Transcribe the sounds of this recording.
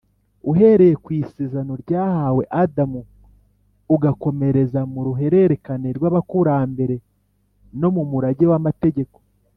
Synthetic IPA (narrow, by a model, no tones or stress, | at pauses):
uɦe̞ɾe̞jekwiːseːzano̞ɾɟaːhawe̞ʔadamuː | ɡako̞me̞ɾe̞zamuɾuɦe̞ɾeɾe̞kaneɾɡwaːβakuɾambe̞ɾe̞ | no̞mumuɾaɟewamate̞ɟe̞ko̞̥